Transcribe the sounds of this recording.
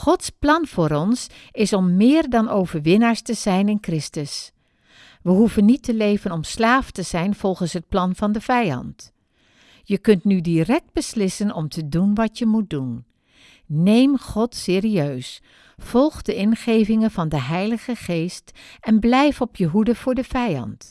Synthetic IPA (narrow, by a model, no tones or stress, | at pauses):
χɔtsplɑnv̥ʊːɾɔnsɪsɔmːɪːɹdɑnowvəɹʋɪnaːɹstəzɛjnɪnkrɪstəs | ʋəɦuvənːitəlejvənɔmslaːftəz̥ɛjnv̥ɔlˠχənsɦət̚plɑnvɑndəvɛjɑ̰nt | jəkɵntnydirɛk̚d̚bəslɪsənɔmtʰədunʋɑtjəmut̚dun | nejmχɔtsɪːriøɥs | v̥ɔlˠχdəʔɪnχejvɪŋənvɑndəɦɛjləχəχejstɛnblɛjfɔpʰjəɦudəv̥ʊːɹdəvɛjɑ̰nt